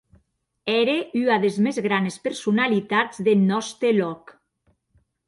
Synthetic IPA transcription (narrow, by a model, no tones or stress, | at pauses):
ɛɾeyaðezmezɣɾanespeɾsunalit̪ad͡zðenɔst̪elɔk